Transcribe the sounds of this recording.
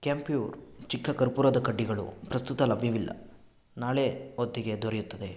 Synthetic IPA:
kaːmpijuːɾt͡ʃikʰːɐkɐɾpuɾɐd̪ɐkɐɖːiɡɐɭṵpɾɐst̪ut̪ɐlɐbʱjɐʋilːɐ̰ | naːɭeod̪ːiɡe̞d̪ʱoɾejut̪ːɐd̪e

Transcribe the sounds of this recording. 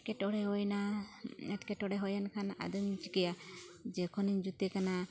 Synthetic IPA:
kɛʈɔɽɛɦɔjnaɛʈkɛʈɔɽɛɦɔjankʰana̰d̪ɔmt͡ʃikɛja | d͡ʒɛkʰɔniɲd͡ʒut̪ekana

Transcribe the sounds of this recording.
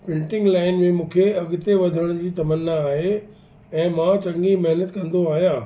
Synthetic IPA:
pɪ̃ɳʈɪ̃ŋɡlaːɪnmẽmũːkʰeɐɠɪt̪eʋɐd̪ʱəɽ̃d͡ʑiːt̪ɐmənːaːɦe | ɛ̃ːmãt͡ɕɐ̃ŋɡimɐɦnət̪kɐ̃nd̪oaːɦijãː

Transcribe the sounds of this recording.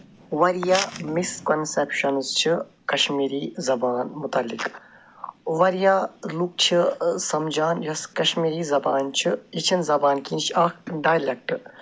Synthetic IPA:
ʋɐɾjaːmiskonsepʃɐnɨzt͡ʃʰɨ | kɐʃmiːɾiːzɐbaːnmut̪ɐlːik | ʋɐɾjaːluk̚t͡ʃʰɨsɐmd͡ʒaːnjɐskɐʃmiːɾiːzɐbaːnt͡ʃʰiit͡ʃʰinzɐbaːnkint͡ʃʰɐkɖaːjlek̚ʈɨ

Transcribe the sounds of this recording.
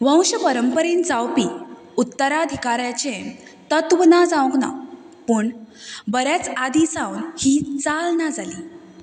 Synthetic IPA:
ʋə̃w̃ɕəpəɾəmpəɾend͡zawpi | ut̪ːəɾaəd̪ʱikaɾjat͡ɕẽ | t̪ət̪ʋnad͡zãwkna̰ | pəːɳbəɾjat͡sad̪isãwnhiːt͡salnad͡zaliː

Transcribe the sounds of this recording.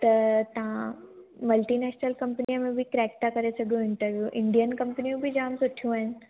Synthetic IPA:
t̪ɐt̪ɐʋ̤ãmɐlʈinɛːʃnəlkɐ̃mpnijəmẽbʱikɾɛːk̚t̪akɐɾesɐɡʱjũɦɪ̃nʈəɾʋjuʔɪ̃ɳɖijənkɐ̃mpniũbʱid͡ʑaːmsʊʈʰijũaːɦɪnɪ̆

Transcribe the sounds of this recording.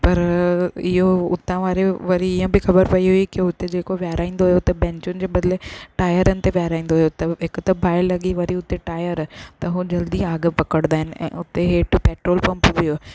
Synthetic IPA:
pɐɾɪɦoʊ̰t̪ãʋaːɾeʋɐɾiɪjə̃bɪxɐbəɾpɐiɦoikiʊt̪ed͡ʑeːkoʋjaːɾʔaːĩːnd̪oɦjot̪ɐbɛ̃ːɲt͡ɕʊnɪ̆d͡ʑeːbɐd̪ɪleʈaːjəɾənɪ̆t̪eʋjaːɾaːĩːn̆d̪oɦjot̪ɐɦɪkʊt̪ɐbʱaːɪlɐɠiʋɐɾiʊt̪eʈaːɪjəɾt̪ɐɦud͡ʑɐld̪iaːɡəpɐkəɽ̃d̪aːɦɪnɪ̆ɛ̰̃ːʊt̪eɦeːʈʊpeːʈɾoːlpɐ̃mpʋijo

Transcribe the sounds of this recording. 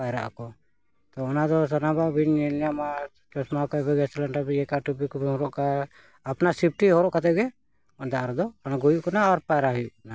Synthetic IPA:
pajɾa̰ʔkɔ | t̪ɔɔnad̪ɔs̬anababʱinɛlama | t͡ʃɔsmakɔɛbɛɡɛsɛlaɳʈabiɛkaʈubikɔbʱiɦɔɾɔʔkaː | pnasip̚ʰʈiɦɔɾɔʔkat̪ɛɡɛ | ɔnd̪aaɾd̪ɔanaɡɔjuʔkɔnaaɾpajɾaɦɔjuʔkɔna

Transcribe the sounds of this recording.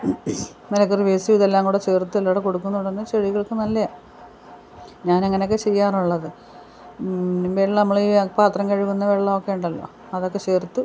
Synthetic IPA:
melɐkːɐriʋeːsiʋuðelːaːŋɡuːɽet͡ɕe̞ːrt̪ːuelːoːɽeko̞ɽukːunːuɳɖnːɨt͡ɕeɻiɣɐɭkɨnɐlːe | ɲaːneŋːɐneok̬ːet͡ɕe̞jːaːruɭːɐðɨ | mbeɾnɐmːɐɭiːpaːt̪rɐŋkɐɻiɣunːɐʋeɭːɐmokːe̞juɳɖɐlːo̞̰ː | ɐðo̞kːe̞t͡ɕe̞ːrt̪ːu

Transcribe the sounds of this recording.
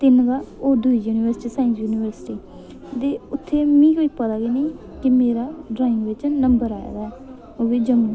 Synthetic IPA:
t̪ɪnɡ̪aːoːd̪uiːd͡ʒuːniːʋəɾsʈiːsaːɪ̃nsjuːniːʋəɾsʈiː | d̪eːʊt̪ʰːeːmĩːkoːipət̪aːɡeniː | kɪmeːɾaːɖɾaːɪ̃ŋɡʋɪt͡ʃnəmbəɾaːja̰ːd̪aːɛː | oːbiːd͡ʒəmi

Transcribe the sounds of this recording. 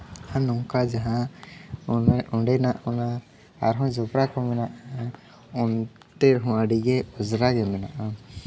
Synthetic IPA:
hanɔŋkad͡ʒaɦã | unʔuɳɖɛnaʔɔna | a̰ɾɦɔ̃d͡ʒɔpɾakɔmɛnaʔa | un | t̪ɛɾɦɔ̃aɖiɡɛɔzɾaɡɛmɛna̰ʔa

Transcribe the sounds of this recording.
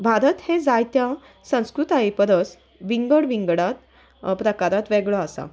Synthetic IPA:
bʱaɾət̪hẽd͡zajt̪ja | sə̃w̃skɾut̪aipəɾəs | ʋiŋɡəɽʋiŋɡɽat̪ | pɾəkaɾat̪ʋɛɡɭɔasa̰

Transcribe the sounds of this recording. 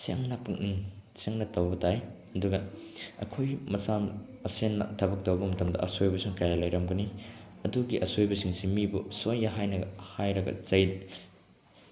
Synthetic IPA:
sḛŋnɐpuŋʔinseŋnɐtɐwbɐtʰaj | ɐduɡɐɐ̰kʰojmɐsam | ɐsenːɐ̰tʰɐbɐk̚tɐwbɐmɐtɐmdɐ̰ʔɐsojbɐsuŋkajalajɾɐmɡɐniɐduɡiʔɐsojbɐsiŋsimibusojnɐɦajnɐɡɐhajɾɐɡɐ̰t͡ʃɐj

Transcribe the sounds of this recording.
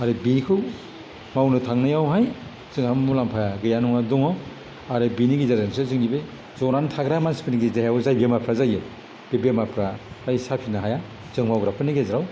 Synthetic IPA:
aɾɯbikʰɯw | mawnɯtʰaŋnɯjawɦaj | z̥ɯŋhammulampʰajaɡɯjanuŋadɔŋaw | aɾɯbiniɡizaɾansɯzɯŋdibɯ | zɔɾantʰaɡɾamanspʰɯniɡizajawzajbemapʰɾazajɯ | b̥ebemapʰɾa | zajsapʰinaɦaja | z̥ɯŋmawɡɾapʰɯniɡezɾaw

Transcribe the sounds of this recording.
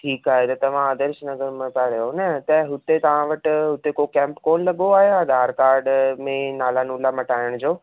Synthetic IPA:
ʈʰiːkaːɦet̪ɐt̪ɐʋ̤ãɐd̪əɾʃnɐzəɾmẽpaɾɐjonɐt̪ɐɦʊt̪et̪ɐʋ̤ãʋɐʈɦʊt̪ekokɛ̃ːmpkoːnlɐɠoaːɦead̪aːɾkaːɾɖmẽnaːlanũlamɐʈaːɪəɽ̃d͡ʑoː

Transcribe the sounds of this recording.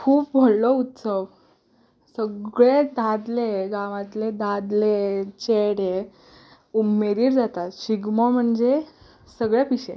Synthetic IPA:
kʰuːp̚bʱəllɔut̪səʋ | səɡɭed̪ad̪leɡãʋãt̪led̪ad̪let͡ɕeɽe | umeɾiːɾd͡zat̪at̪ɕiɡmɔm̤əɳd͡ze | səɡɭjapiɕḛ̃

